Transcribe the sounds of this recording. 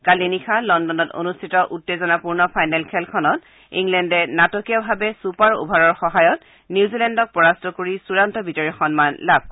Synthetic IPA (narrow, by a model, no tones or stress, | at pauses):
kalinikʰalɔndɔnɔto̰nustʰitɔʔutːezɔnapuɹnɔpʰajnɛlkʰɛlkʰɔnɔt | ḭŋlɛndɛnatɔkijabʱabɛsupaɹṵbʱaɹɔɹxɔɦajɔt̚ | nizilɛndɔk̚pɔɹastɔkoɹisuɹantɔbitɔɹixɔnmanlab̚ʱ